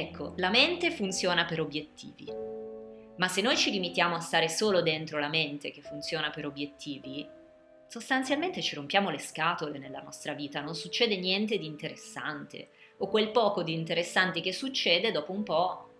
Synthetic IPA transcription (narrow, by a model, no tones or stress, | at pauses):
ɛkʰːolament̪efunt̪sjoːnapeɾobjet̪ʰːḭːvḭ | masːenːojt͡ʃiɾimit̪jaːmoast̪aːɾesoːlod̪ent̪ɾolament̪ek̟efːunt̪sjoːnapeɾobːjet̪ːiːvi | sost̪ant̪sjalment̪et͡ʃiɾompjaːmoleskaːt̪olenelːanɔst̪ɾaviːt̪anonsut͡ʃːɛːd̪enjɛnt̪ed̪iːnt̪eɾesːa̰nt̪ḛ | okwelpɔːkod̪int̪eɾesːant̪ik̟esːut͡ʃːeːd̪ed̪ɔːpoumpɔ